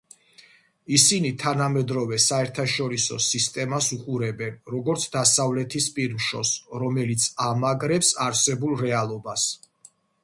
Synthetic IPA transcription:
isinit̪ʰanamɛd̪ɾɔvɛsaɛɾt̪ʰaʃɔɾisɔ̰sist̪ʼɛmasuqʼuɾɛbɛnɾɔɡɔɾt̪sʰd̪asavlɛt̪ʰispʼiɾmʃɔsɾɔmɛlit̪sʰamaɡɾɛpsaɾsɛbulˠɾɛalˠɔbas

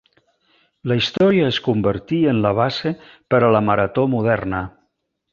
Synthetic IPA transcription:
ləist̪ɔɾiəːskumbəɾt̪iənləβ̞ase | pəɾələməɾət̪omuð̞ɛrnə

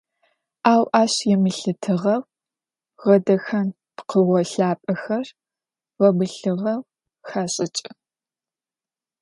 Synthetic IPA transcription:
aːwʔaːɕjɛmɨɬɨtʰɨʁɐw | ʁɐdɐxɐn | pqəʁʷɔɬaːpʼɐxɐr | wɐbɨɬɨʁɐw | xaːɕʼɪt͡ʃʼɪ

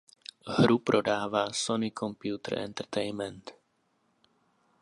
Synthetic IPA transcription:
ɦɾupɾʔɔd̪aːʋasɔnikɔmpjuːt̪ɛ̰ɾɛ̰nt̪ɛɾt̪ɛɪnmɛnt̪

